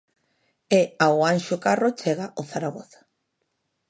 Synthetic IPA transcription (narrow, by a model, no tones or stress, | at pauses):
eawanʃokarot͡ʃeɣaoθaɾaɣoθḁ